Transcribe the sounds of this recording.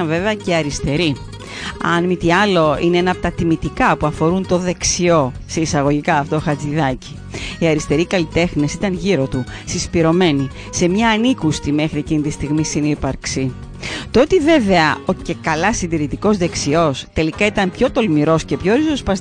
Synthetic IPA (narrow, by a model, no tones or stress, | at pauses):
ɐnve̞veɐceɐɾist̪e̞ɾi | ɐnmit̪iɐlo̞ineenɐpot̪ɐt̪imit̪ikɐpuɐfo̞ɾunt̪o̞ðe̞ksio̞seisɐɣo̞ʝikɐːft̪ooxɐt͡siðɐci̥ | iɐɾist̪e̞ɾikɐlit̪e̞xne̞sit̪ɐnʝiɾo̞t̪usispiɾo̞me̞ni | se̞mɲɐːnikust̪ime̞xɾiecinit̪ist̪iɣmisinipɐɾksi | t̪oot̪ive̞ve̞ɐoce̞kɐlɐsind̪iɾit̪iko̞zðe̞ksio̞st̪e̞likɐit̪ɐnpço̞t̪o̞lmiɾo̞sce̞pço̞ɾizospɐs